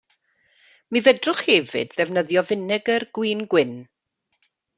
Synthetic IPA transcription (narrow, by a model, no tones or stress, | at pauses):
mivɛdrʊχhɛvɨ̰dðɛvnəðjɔvɪnɨɡərɡwiːnɡwɪn